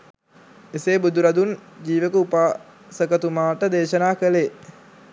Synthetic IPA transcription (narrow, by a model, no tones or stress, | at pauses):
eseːbud̪uɾad̪und͡ʒiːʋəkəupaː | səkət̪umaːʈəd̪eːʃənaːkəle